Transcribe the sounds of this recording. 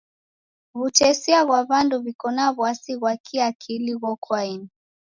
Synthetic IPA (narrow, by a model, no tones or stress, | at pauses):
βut͡ʃɛsiaɣwaβandɔβikɔnaβwasiɣwakʰiakʰiliɣɔkʰwaini